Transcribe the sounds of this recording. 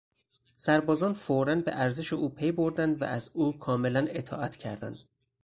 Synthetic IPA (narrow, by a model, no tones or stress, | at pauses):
sæɾbɒːzɒːnfoɾænbḛʔæɾze̞ʃeuːpʰe̞jbo̞ɾd̪ænd̪væ̰ʔæzuːkʰɒːme̞læne̞t̪ʰɒ̰ːʔæt̪ʰcʰæɾd̪æ̰nd̪̥